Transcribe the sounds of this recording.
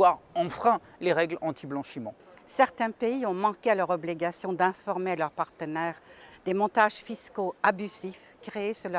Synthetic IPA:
waʁɑ̃fχɛ̃leʁɛɡlɑ̃t̪ʰiblɑ̃ʃimɑ̃ | sɛʁt̪ɛ̃peiɔ̃mɑ̃kʲealœʁɔbliɡasjɔ̃d̪ɛ̃fɔʁmealœʁpaʁt̪ənɛʁd̪̥emɔ̃t̪aʒfiskoabyzif | kχeːsəl

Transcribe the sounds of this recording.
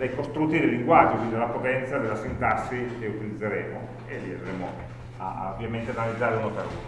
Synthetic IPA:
d̪ejkost̪ɾut̪ːid̪eliŋɡwad͡ʒːokid̪alːapot̪ɛnt̪sad̪elasint̪asːikeut̪ilid̪zːeɾeːmo | elːia̰d̪ɾeːmo | a̰ovjament̪eanalid̪zːaːɾeunopeɾṵ

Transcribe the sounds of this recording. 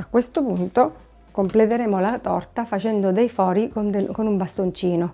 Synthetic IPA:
akːwest̪opunt̪o | komplet̪eɾeːmolat̪ɔrt̪afat͡ʃɛnd̪od̪ejfɔːɾikond̪konumbast̪ont͡ʃiːno

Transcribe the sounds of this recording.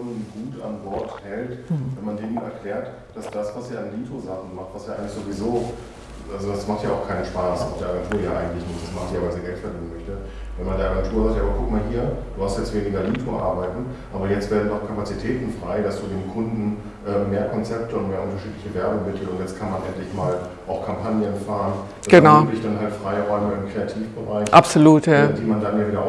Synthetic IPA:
nnɡuːta̰nbɔɐthɛltvɛnmandeːmənɛ̰ɐkl̥ɛːɐt | d̥asd̥asv̥asaːanliːtʰozaχn̩maχtv̥asjaːʔaɪɡŋ̩tlɪçz̥ovizoː | ʔalzodasmaχtjaːaʊxkʰaɪnənʃpaːsʔa̰ʊxdeɐaɡɛntʰuːɐjaːʔa̰ɪɡŋ̩tlɪçnɪçtd̥asmaχtjavaɪzeːɐɡɛltfɛɐdiːnənmœçtə | vɛnmandeːɐʔaɡɛntʰuːɐzaːk̚tjaaːbɐkʰʊkmaːlɦiːɐd̥uːhastjɛt͡stveːnɪɡɐliːtfuʔa̰ɐbaɪtn̩ | ʔaːbɐjɛt͡stv̥eːɐdn̩dɔʊkʰapat͡sitʰɛːtn̩fʁ̥aɪdasd̥uːdeːmkʰʊndn̩ | ʔɛːmːeːɐkʰɔnt͡sɛp̚təʊntmeːɐʊntɐʃiːtlɪçəvɛɐbʊŋmɪtʰl̩tʊntjɛt͡stkʰanmanʔɛntlɪçmaːl | ʔaʊxkʰampʰanjənfaːʁən | dasɡ̥ənaklɪçd̥anɦaltfʁ̥aɪʁɔʏməɪmkʁ̥eatʰiːfb̥əʁaɪçʔapsoluːtjadiːmandanjaːviːdɐʔ

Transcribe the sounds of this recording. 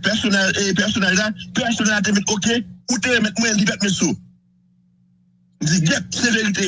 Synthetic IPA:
pɛsonɛlepɛʁsonɛllapɛʁsonɛlːat̬emɛtokekuteemɛt̚mw̃ɛ̃n̩dipɛt̚mɛtso | n̩d͡zid͡ʒɛp̚seveʁite

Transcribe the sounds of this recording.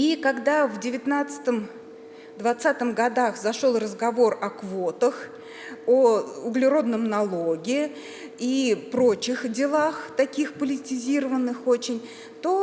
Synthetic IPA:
ikɐɡd̪avdʲɪvʲɪt̪nat̪sɨ̥t̪əm | d̪vɐt̪sat̪əmɡɐd̪axzɐʂo̞lˠrəzɡɐvo̞rɐkvot̪əx | əʊɡlʲɪɾo̞d̪nəmnɐlˠoɡʲɪ | ipɾo̞t͡ɕɪxdʲɪlˠaxt̪ɐkʲixpəlʲɪtʲɪzʲiɾəvənːɨxot͡ɕɪnʲ | t̪o

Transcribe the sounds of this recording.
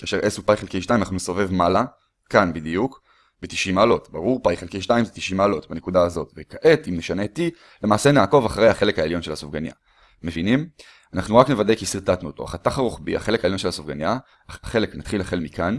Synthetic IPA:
kaːʃeʁʔesupajχelke̞jʃt̪aimanaχnumesove̞vmala | kanbid̪ijuk | beti̥ʃimaːlo̞tbaʁuʁpajχelke̞jʃtaimzetiʃimaːlo̞tbanekudaːzo̞tvekaʔetimneʃane̞ti | lemaːsenaːko̞vaχaʁejhaχe̞le̞kaeljo̞nʃe̞lhasofɡanja̰ | me̞vinim | anaχnuʁakne̞vade̞kisiʁtatnuotoa̰χat̪aχaʁoχbḭa̰χe̞lekaeljo̞nʃelasofɡanja | aχe̞leknat̪χilhaχelmikan

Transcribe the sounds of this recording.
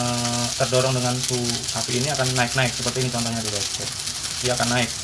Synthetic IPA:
t̪ərdoɾɔŋdəŋansuhapiːniakanːaɪk̚naɪk̚səpərt̪iːnit͡ʃɔnt̪ɔŋɲadibat̚t͡ʃɛ | diakanːaɪk̚

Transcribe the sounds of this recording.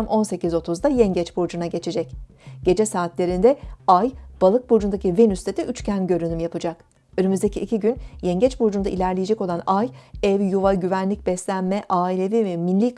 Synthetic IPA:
mʔo̞nse̞cizo̞t̪ʰuzd̪ajɛɲɟɛt͡ʃbuɾd͡ʒunaɟe̞t͡ʃʰe̞d͡ʒɛc | ɟ̥e̞d͡ʒɛsaːt̪lʲe̞ɾind̪ɛajb̥alˠɯk̚buɾd͡ʒund̪acivenyst̪ʰet̪iʔyt͡ʃcʰænɟø̞ɾynymjapʰɯd͡ʒak | ønymyzd̪ecʰiʔːcʰiɟynjɛɲɟɛt͡ʃbuɾd͡ʒund̪ailʲæɾlʲejed͡ʒɛkolˠanajɛvjuvaɟyvænlʲic̚bɛslʲænmɛʔaːilʲe̞vivɛminlʲik

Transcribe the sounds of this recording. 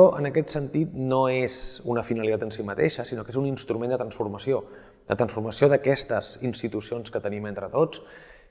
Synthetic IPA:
ɔʔənəkɛt̪sənt̪it̪noezunəfinəlit̪at̪ənsimət̪ḛʃəsinokezuninst̪ɾumend̪ət̪ɾənsfuɾməsio | d̪ə̰t̪ɾənsfuɾməsioðəkɛst̪əzinst̪it̪usionskət̪əniment̪ɾət̪ot͡s

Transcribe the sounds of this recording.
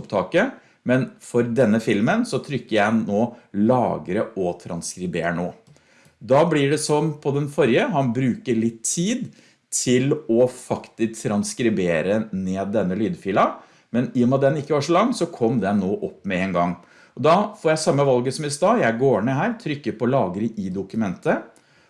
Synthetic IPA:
pt̪ʰɑːkə | mɛnfɔɾd̪ɛnːəfɪlmənsɔt̪ʰɾʏkːəɾjænnoːlɑ̰ːɡɾəʔɔt̪ʰɾɑnskɾɪbeːnoː | d̪ɑblɪɖɛsɔmpʰɔd̪ɛnfɔɾjəɦhɑnbɾʉːkəɭɪt̪ʰːiːd̪ | t̪ʰɪlɔfɑkt̪ɪsk̚t̪ʰɾɑnskɾɪbeːɾəneːd̪ːɛnːəlyːd̪fiːlɑ | mɛnɪjɔmɑt̪̚d̪ɛnːɪkːəʋɑːʂɔlɑŋːsɔkʰɔmd̪ɛnːoːʔɔpːmɛeːnɡɑŋː | ɔd̪ɑfɔːɾjæɪsɑmːəʋɑlɡəsɔmɪst̪ɑːjæɪɡoːɳəɦæːɾt̪ʰɾʏkːəɾpʰɔlɑːɡəɾəʔɪd̪ʊkʉmɛnt̪ə

